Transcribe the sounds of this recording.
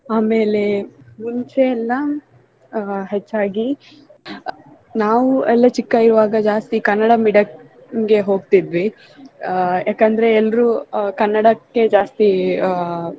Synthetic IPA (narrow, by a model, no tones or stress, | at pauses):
aːmeːle̞muɲt͡ʃeːlːɐ | ɦet͡ʃːaːɡi | naːʋuɛlːɐt͡ʃikːɐiɾuʋaːɡɐd͡ʒaːst̪ikɐnːɐɽɐmiɖɐ | ŋɡe̞ɦo̞ːɡt̪id̪ʋi | jaːkɐnd̪ɐɾe̞ɛlːɐɾukɐnːɐɽɐkːe̞d͡ʒaːst̪i